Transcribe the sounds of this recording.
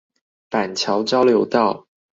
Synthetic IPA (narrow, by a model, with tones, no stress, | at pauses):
pa˨˩nt͡ɕʰjɑ˧˥ʊt͡ɕɑ˥ʊljo˧˥ʊt̪ɑ˥˩ʊ